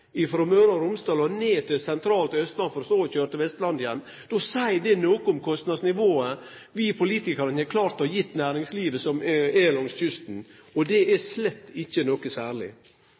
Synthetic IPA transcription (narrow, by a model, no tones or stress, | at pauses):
ɪfɾɔmøːɾɑɾʊmst̪ɑːlɔneːt̪ʰɪlsɛnt̪ʰɾɑːlt̪ɪœst̪lɑnfɔɾɔsoːçøːɾət̪ɪʋɛst̪lɑnd̪jɛnː | d̪̥osæɪd̪ɛnoːkəʊmkʰɔst̪nɑd̪snɪʋoːə | ʋiːpʰʊliːt̪ɪkɑɾənɛkʰlɑːɾt̪ːhɑjɪt̪ːnæːɾɪŋsliːʋəsɔmɛlɔŋsçʏst̪n̩ | ɔd̪ɛæslɛt̪ːɪçːənɔkəsæːɾɭɪ̰